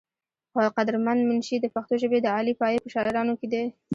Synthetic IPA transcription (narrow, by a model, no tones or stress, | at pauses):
xoqad̪ɾmanmʊnʃid̪əpaxt̪oʒəbed̪əɑlipɑjepəʃɑʔɪɾɑnoked̪e